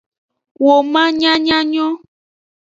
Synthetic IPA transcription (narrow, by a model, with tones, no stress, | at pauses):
wo˨mã˦ɲã˦ɲã˦ɲɔ̃˦